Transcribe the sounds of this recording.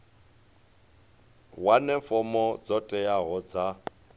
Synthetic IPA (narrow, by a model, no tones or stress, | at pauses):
wanɛfɔmɔd͡zɔtʼɛjaɣɔd͡za